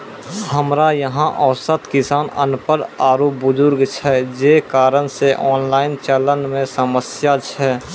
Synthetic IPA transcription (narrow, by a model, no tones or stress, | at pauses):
həmɾajəɦãʔəʊsət̪kɪsaːnə̰npəɾaːɾoːpbʊzʊɾɡt͡ʃʰɛd͡ʒeːkaːɾənseʔɔːnlaːɪnt͡ʃələnmẽsəməsjat͡ʃʰɛː